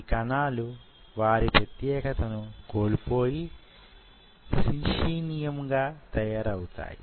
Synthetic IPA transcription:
kɐnaːlu | ʋaːɾipɾɐt̪jɛːɡɐt̪ɐnuko̞ːlipo̞ːji | siʂiːnijɐmɡaːt̪ɐjaːɾɐwut̪a̰ːjḭ

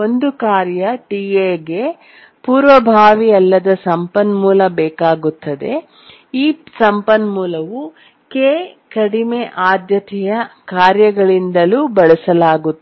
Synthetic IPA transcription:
o̞nd̪ukaːɾjɐʈiːeɡe̞ | puːɾʋɐbʱaːʋiɐlːɐd̪ɐsɐmpɐnmuːlɐbɛːkaːɡut̪ːɐd̪e̞ | iːsɐmpɐnmuːlɐʋu | keːkɐɽimeʔaːd̪jɐt̪ɛjɐkaːɾjɐɡɐɭind̪ɐluːbɐɭɛsɐlaːɡut̪ː

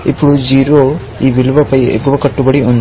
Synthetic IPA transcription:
ḭpuɽud͡ʒiːɾo | iːʋilʋɐpɐjḛkuʋɐkɐʈːubɐɽiun

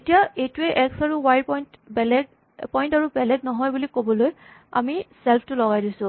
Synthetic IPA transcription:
etijaejtuɛʔɛksaɹuwajpɔjnt | ɛlɛɡ̚ | pɔjntaɹubɛlɛɡnɔɦɔjbulikobɔloj | a̰misɛlpʰtʊlɔɡajdisʊ̃

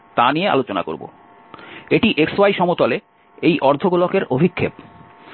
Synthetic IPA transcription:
t̪anijea̰lot͡ɕona̰ko̰ɾbo̰ | eʈiʔeksoajʃɔmot̪ɔle | ejʔɔɾd̪ʱoɡulokeɾobʱikʰːep̚

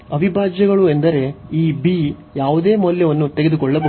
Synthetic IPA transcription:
ɐʋibʱaːd͡ʒjɐɡɐɭuend̪ɐɾe̞iːbi | jaːʋud̪eːmɔlːjɐʋɐnːut̪e̞ɡe̞d̪ukɔɭːɐbo

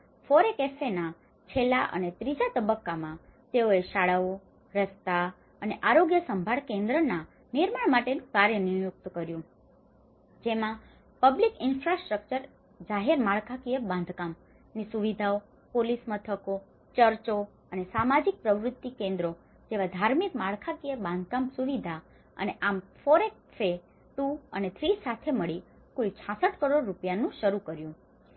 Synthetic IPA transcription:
foɾekefena | t͡ʃʰelaʔə̰net̪ɾid͡ʒat̪əbəkːamãt̪eoeʃaɭaʋo | ɾəst̪a | əneʔaɾoɡjəsəmbʱaɭkẽnd̪ɾəna | niɾmaɳmaʈenũkaɾjənijʊk̚t̪kəɾjũ | d͡ʒemã | pəblikɪnfɾasʈɾək̚t͡ʃəɾ | d͡ʒaɦeɾmaɭkʰakijəbãnd̪ʱkam | nisuʋid̪ʱao | polismət̪ʰəko | t͡ʃəɾt͡ʃo | ənesamad͡ʒik̚pɾəʋɾʊt̪ːikẽnd̪ɾo | d͡ʒeʋad̪ʱaɾmikmaɭkʰakijəbãnd̪ʱkamsuʋid̪ʱa | ə̰neʔamfoɾek̚fe | t̪uənet̪ʰɾisat̪ʰeməɭi | kult͡ʃʰasəʈkəɾoɽːupjanũʃəɾukəɾjũ

